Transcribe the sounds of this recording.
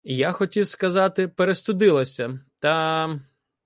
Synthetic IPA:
jaxɔtʲiwskɐzɑt̪ɪpeɾest̪ʊd̪ɪlˠɐsʲɐt̪ɐ

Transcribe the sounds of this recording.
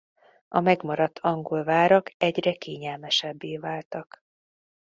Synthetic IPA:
ɒmɛɡmɒɾɒt̪ʰːɒŋɡolvaːɾɒkɛɟrɛkeːɲɛlmɛʃɛbːeːvaːlt̪ɒk

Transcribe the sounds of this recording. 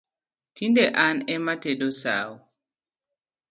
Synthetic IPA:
tʰindɛʔanɛmatɛdɔsa̰ːwɔ

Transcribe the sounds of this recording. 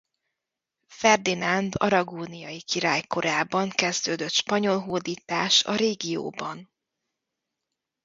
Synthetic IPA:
fɛrd̪inand̪ɒ̰ɾɒɡoːnijɒjikiɾaːjko̞ɾaːbɒŋkɛzd̪øːd̪øt̪ʃpɒɲo̞lɦoːd̪iːt̪aːʃɒ̰ɾeːɡijo̰ːbɒn

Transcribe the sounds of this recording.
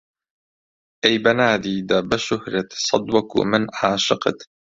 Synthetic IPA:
ʔajbanaːd̪iːd̪abaʃʊhɾat̪sˤɑd̪wɑkṵmɪnaːʃɪqt̪

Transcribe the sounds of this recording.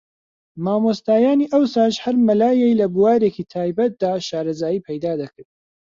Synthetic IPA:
maːmost̪aːjaːniːʔɐwsaːʃhɐɾmɐlaːjejlɐbuwaːɾeːkiːt̪ʰaːjbɐt̪̚d̪aːʃaːɾɐzaːjiːpʰɐjd̪aːd̪ɐkɨɾd̪

